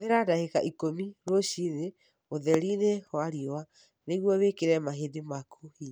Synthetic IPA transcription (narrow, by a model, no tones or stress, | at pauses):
ðeɾadahekaʔikomiɾwoʃine | oðɛɾinehwaɾiwa | neɣwɔβekeɾɛmaɦedemakuhi